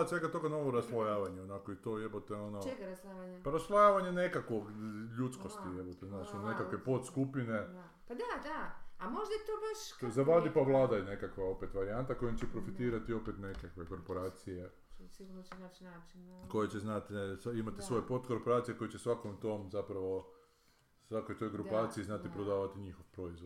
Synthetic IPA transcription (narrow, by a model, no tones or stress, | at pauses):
sʋeɡat̪o̞ɡano̞ʋoɾaslˠojaːʋaɲeonako̞it̪o̞jebot̪eo̞nosaapaɾaslˠojaːʋaɲe̞ne̞kakʋo̞ɡʎut̪skost̪ijebot̪eznaːt͡ʃunekakʋe̞po̞t̪skupine | d̪ad̪aamoʒd̪at̪obaʃzaʋad̪ipaʋlˠaːd̪ajene̞kakʋao̞pet̪ʋaɾiant̪ako̞jimt͡ʃepɾo̞fit̪iːɾat̪io̞pet̪nekakʋe̞ko̞ɾpoɾaːt̪sije̞ | siunnaat͡ʃko̞jet͡ɕeznat̪simat̪isʋo̞jepo̞t̪ko̞ɾpo̞ɾaːt̪sijeko̞jet͡ɕesʋakomt̪omzapɾaʋo̞ | sʋako̞jt̪o̞jɡɾupaːt̪siiznat̪ipɾod̪aːʋat̪iɲixoʋpɾo̞izʋod̪